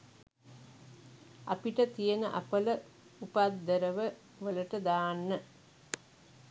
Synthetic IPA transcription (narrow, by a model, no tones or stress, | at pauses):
apiʈət̪ijənəʔa̰pələ | upad̪ːəɾəʋə | ʋələʈəd̪aːnːə